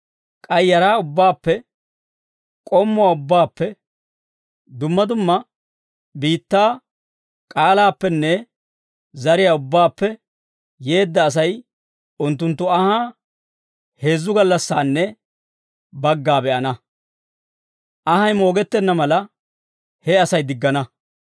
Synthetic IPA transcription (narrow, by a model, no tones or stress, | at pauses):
kʼɐjːɐɾaːʊbːaːpːɛ | kʼɔmːʊwaːʊbːaːpːɛ | d̪ʊmːɐd̪ʊmːɐ | biːt̪ːaː | kʼaːlaːpːɛnːɛ | zɐɾɪjaːʊbːaːpːɛː | e̞ːd̪ːɐːs̬ɐj | ʊnt̪ːʊnt̪ːʊɐhaː | he̞ːzːʊɡɐlːɐsːaːnːɛ | bɐɡːaːbɛʔɐnɐ | ʔɐhɐjmo̞ːɡɛt̪ːɛnːɐmɐlɐ | hɛɐsɐjd̪ɪɡːɐnɐ